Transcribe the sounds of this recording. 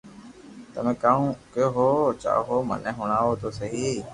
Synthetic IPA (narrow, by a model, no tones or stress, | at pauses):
t̪əmẽːkaːũːkjoːɦoːt͡ʃa̰ːɦoːmə̰nɛ̃ːɦʊɳ̃aːʋoːt̪ʰoːsəɦiː